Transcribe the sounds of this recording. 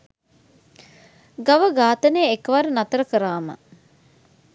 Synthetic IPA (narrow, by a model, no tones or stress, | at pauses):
ɡaʋəɡaːt̪ənejekəʋaɾənat̪əɾəkəɾaːmə̰